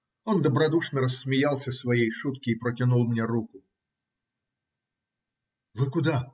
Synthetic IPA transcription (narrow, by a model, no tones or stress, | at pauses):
ɔnd̪ɐbɾad̪uʂnɐɾɐsʲːmʲijalˠsʲɐsvajejʂut̪kʲiːpɾɐtʲanulˠmnʲɛɾukʊ | vɨkud̪a